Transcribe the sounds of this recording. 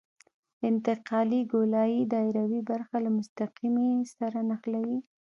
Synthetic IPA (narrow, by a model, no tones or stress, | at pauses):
ɪnt̪ɪqɑliɡolɑjid̪ɑɪɾawibaɾxalamʊst̪aqimesaɾanaxlawi